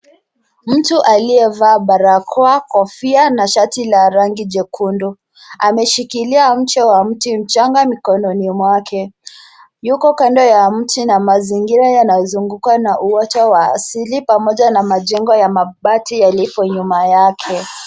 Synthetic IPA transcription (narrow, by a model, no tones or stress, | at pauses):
m̩tuʔaliɛvaːɓaɾakʰɔakɔfianaʃatilaɾaŋɡid͡ʒɛkʰundu | amɛʃikiliam̩t͡ʃɛwam̩tim̩t͡ʃaŋɡamikɔnɔnimwakʰɛ | jukɔkandɔjam̩tinamaziŋɡiɾajanajɔzuŋɡukanaʔuɔtawa̰ːsilipamɔʄanamaʄɛŋɡɔjamaɓatijalipɔɲumajakʰɛ